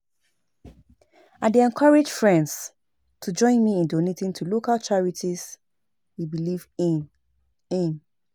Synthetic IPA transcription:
aɪdeɛ̃nkʰaɹed͡ʒfɹɛ̃nds | tʰud͡ʒɔ̃ɪ̃nmiĩndonetĩntʰulokalt͡ʃaɹitʰiz̥ | hibiliv | ĩn

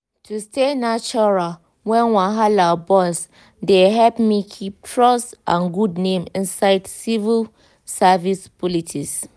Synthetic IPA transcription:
tʰustenat͡ʃɔɹa | wɛ̃nwãɦalabɔs | deɦɛlpmikʰip̚tʰɹɔstã̰nɡudnẽmĩnsaɪdsivil | savispɔlitʰis

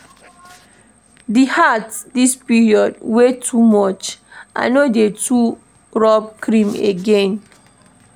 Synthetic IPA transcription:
dihatdispiɹiɔdwetʰːumɔt͡ʃʔã̰nodetʰu | ɹɔb̚kɹĩmḛɡẽn

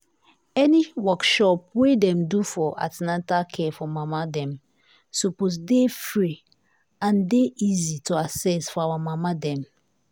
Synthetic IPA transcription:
ɛniwɔkʃɔp̚wedɛ̃mdufɔʔa̰tnatakʰɛfɔmamadɛ̃m | suposdefɹi | ãndeʔizituasɛsfɔawamamadɛ̃m

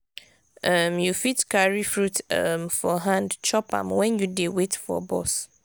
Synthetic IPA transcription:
ʔamjufitkaɹifɹutamfɔɦãndt͡ʃʰɔpã̰mwɛ̃njudewetfɔ̰bɔ̰s

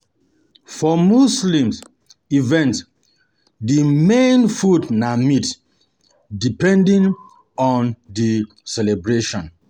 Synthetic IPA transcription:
fɔmuslĩmz | ivɛ̃nt | dimẽnfudnamit | dipɛ̃ndĩŋ | ɔ̃ndi | sɛlɛbɹeʃɔ̃n

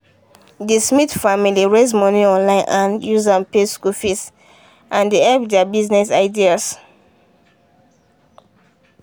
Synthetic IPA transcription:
dismitfamiliɹezmɔniɔ̃nlãɪ̃nʔãnjuzãnpeskufĩs | ʔãndeɛlpdɛabiznɛsaɪdias

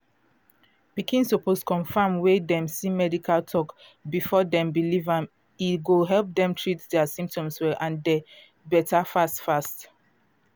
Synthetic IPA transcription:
pikĩnsoposkʰɔ̃nfamwedɛ̃msimɛdikaltʰɔk | bifɔdɛ̃mbilivãm | itɡuɦɛlp̚dɛ̃mtʰɹitdɛasĩmp̚tɔ̃mswɛlʔãnde | bɛtafastfast

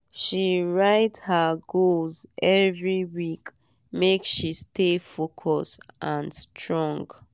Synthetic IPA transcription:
ʃiɹaɪthaɡozɛvɹiwik | mekʃistefokʰɔsʔãnstɹɔ̃ŋɡ

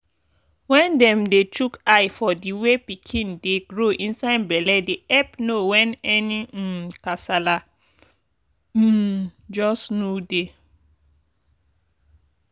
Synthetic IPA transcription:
wɛ̃ndɛ̃mdetukajfɔdiwepikʰĩndeɡɹoʔĩnsaɪdbɛlɛdeɛpnowɛ̃nɛnikasala | d͡ʒɔsnude

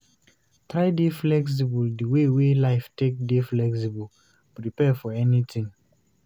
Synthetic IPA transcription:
tɹaɪdeflɛks̬ibuldəwewelaɪftek̚deflɛksibəl | pɾipɛfɔɛnit̪ĩŋ

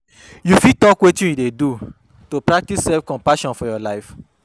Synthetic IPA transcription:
jufitɔkwetũjidedu | topɹak̚tissɛlfkɔ̃mpaʃɔ̃nfɔjɔlaɪf

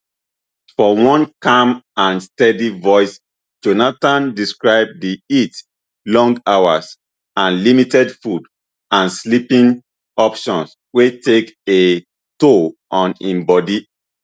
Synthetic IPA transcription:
fɔwɔ̃nkãmãnstɛdivɔɪs | d͡ʒonatãndiskɹaɪb̚diit | lɔ̃ŋɡawas | ãnlimitɛdfud | ãnslipĩn | ɔpʃɔ̃ns | weteke | toʔɔ̃nĩmbɔdi

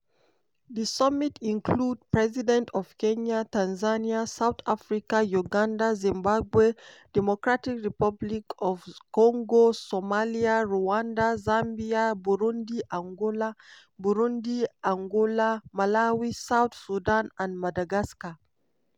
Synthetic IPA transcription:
ðəsʌmitʰĩnkʰlud̚pɹɛzidɛ̃ntʰɔv̥kẽɲatãnzaniasawθafɹikajuɡãndazĩmbabwed̥ɛmɔkɹatikɹipablikʰɔvkɔ̃ŋɡosɔmaliaɹuãndazãmbiabuɹũndiʔãŋɡola | buɹũndiãŋɡolamalawisawθsudãnãnmadaɡaska

